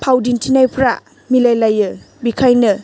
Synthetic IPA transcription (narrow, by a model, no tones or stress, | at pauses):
pʰawdintʰinajpʰɾa̰ | milajlajɯ | bikʰajnɯ